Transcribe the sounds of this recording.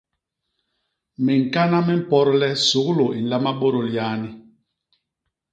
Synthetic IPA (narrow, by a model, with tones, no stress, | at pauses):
mɛ˨ŋ̩˨ka˦na˦mɛ˦m̩˦pɔ˦ɾlɛ˦su˨˦ɣlo˨i˨n̩˨la˦ma˦bo˦ɾo˨ljaː˦ni˦